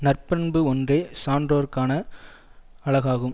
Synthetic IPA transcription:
nɐrpɐnbɯɔndreːsaːndroːɾkːaːnɐ | ɐɭɐɣaːɣɯm

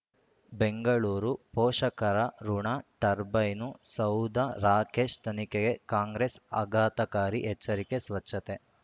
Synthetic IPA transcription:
beŋɡɐɭuːɾupɔːʂɐkɐɾɐɾuɳaʈɐɾbɐjnusɐwd̪ʱɐɾaːkeːʂt̪ʰɐnikeɡe̞kaːŋɡɾesɐ̰ɡaːt̪ɐkaːɾiʔɛt͡ʃːɐɾikesʋɐt͡ʃʃʰɐt̪e

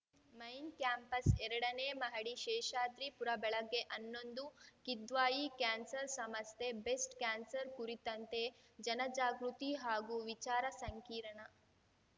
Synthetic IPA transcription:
mɐjnkjaːmpɐsɛɾɐɽɐneːmɐɦɐɽiʃɛːʃaːd̪ɾipuɾɐbɛɭɐɡːeʔɐnːo̞nd̪ukid̪ʋaːjikaːnsɐɾsɐmɐst̪ʰebesʈkaːnsɐɾkuɾit̪ɐnt̪e̞ | d͡ʒɐnɐd͡ʒaːɡɾut̪iɦaːɡuʋit͡ʃaːɾɐsɐŋkiːɾɐɳɐ

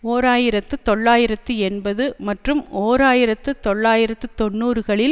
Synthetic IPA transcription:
oːɾaːjɪɾɐt̪ːɯt̪ɔɭːaːjɪɾɐt̪ːɯɛnbɐðɯmɐʈrɯmoːɾaːjɪɾɐt̪ːɯt̪ɔɭːaːjɪɾɐt̪ːɯt̪ɔnːuːɾɯɣɐɭɪl

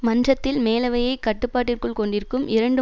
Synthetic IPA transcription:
mɐndrɐt̪ːɪlmeːlɐʋɐjɐɪkɐʈːɯpːaːʈ̬ːɪrkɯɭkɔɳɖɪɾkːɯmɪɾɐɳɖɯ

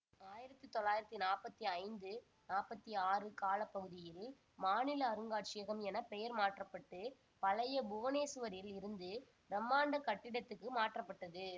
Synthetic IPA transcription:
aːjɪɾɐt̪ːɯt̪ːɔlːaːjɪɾɐt̪ːinaːɾpɐt̪ːiɐɪnd̪ɯ | naːpɐt̪ːiaːrɯkaːlɐpːɐɣɯðɪjɪl | maːnɪlɐːɾɯŋɡaːʈt͡ʃɪjɐɣɐmɛnɐpɛjɐɾmaːʈrɐpːɐʈːɯ | pɐlɐjɐbʊʋɐneːsɯʋɐɾɪjɪlɪɾɯnd̪ɯ | ɾɐmːaːɳɖɐkɐʈːɪɽɐt̪ːɯkːɯmaːʈrɐpːɐʈːɐðɯ

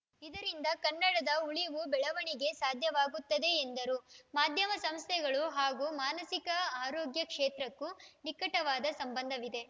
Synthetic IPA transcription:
id̪ɐɾind̪ɐkɐnːɐɽɐd̪ɐuɭiʋubɛɭɐʋɐɳiɡe̞saːd̪ʱjɐʋaːɡut̪ːɐd̪e̞ːnd̪ɐɾumaːd̪ʱjɐmɐsɐmst̪ʰɛɡɐɭuɦaːɡuːmaːnɐsikɐaːɾoːɡjɐkʂeːt̪ɾɐkːunikɐʈɐʋaːd̪ɐsɐmbɐnd̪ʱɐʋid̪e̞

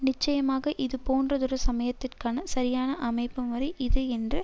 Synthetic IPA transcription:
nɪt͡ʃːɐjɐmaːɣɐʔɪðɯpoːndrɐðɔɾɐsɐmɐjɐt̪ːɪrkaːnɐsɐɾɪjaːnɐʔɐmɐɪpːɯmʋɐɾɐɪʔɪðɯɛndrɯ

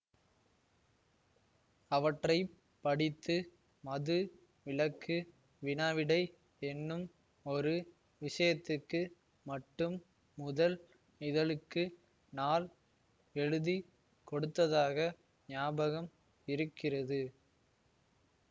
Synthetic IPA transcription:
ɐʋɐʈrɐɪ | pːɐɽɪt̪ːɯ | mɐðɯ | ʋɪlɐkːɯ | ʋɪnaːʋɪɽɐɪ | ɛnːɯm | ɔɾɯ | ʋɪʂɐjɐt̪ːɯkːɯ | mɐʈːɯmː | ʊðɐl | ɪðɐlɯkːɯ | naːl | ɛɻɯði | kɔɽɯt̪ːɐðaːɣɐ | nɪjaːbɐɣɐm | ɪɾɯkːɪrɐðɯ

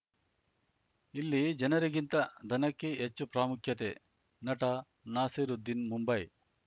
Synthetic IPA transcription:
ilːid͡ʒɐnɐɾiɡint̪ɐd̪ʱɐnɐkːeɦet͡ʃːupɾaːmukʰjɐt̪e | nɐʈɐ | naːseɾud̪ːinmumbɐj

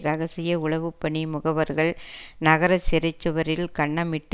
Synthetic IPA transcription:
ɾɐɣɐsɪjɐʊɭɐʋɯpːɐɳimʊɣɐʋɐɾɣɐɭnɐɣɐɾɐt͡ʃɪɾɐt͡ʃːɯʋɐɾɪlkɐɳːɐmɪʈː

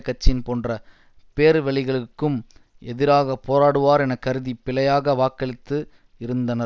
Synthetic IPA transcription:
kːɐt͡ʃːɪnpoːndrɐ | peːɾʋɛɭɪɣɐɭɯkːɯm | ɛðɪɾaːɣɐpoːɾaːɽɯʋaːɾɛnɐkːɐɾɯðipɪlɐjaːɣɐʋaːkːɐɭɪt̪ːɯ | ɪɾɯnd̪ɐnɐ

